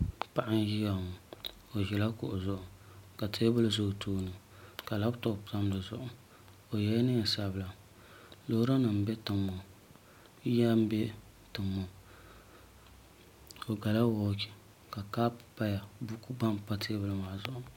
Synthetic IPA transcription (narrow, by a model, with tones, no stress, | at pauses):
pa˨ʔa˦n˦ji˦ja˨ŋo˨ | o˨ʒɛ˨la˦kʊ˨ʔʊ˨zʊ˦ʔʊ˨ka˨tʰeː˦bɨ˦lzʊ˦ʔtʰuː˦nɨ˨ | ka˨la˦bto˦˨ta˦m˦dɨ˨zʊ̰˨ʔʊ˨ | o˨jɛ˦nɨ˦˨sa˦bɨ˨la˨ | lo˨hɾa˦nɨ˨m˨bɛ˦tɨ˨mːo˨˦ | ja˦m˦bɛ˦ | tɨ˨mːo˨ | o˨ɡa˨la˦woː˦ki̥˨ | ka˨kaː˦ppa˦ja˨bu˦ku˦ɡ͡ba˦mpa˦tʰe˦bɨ˦lɨ˦ma˨ʔzʊ˨ʔʊ˨